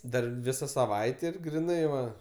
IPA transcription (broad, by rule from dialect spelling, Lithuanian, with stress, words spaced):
ˈdɐr ˈʋʲɪsɐ sɐˈʋɐɪtʲeː ɪr ɡrʲɪˈnɐɪ ʋɐ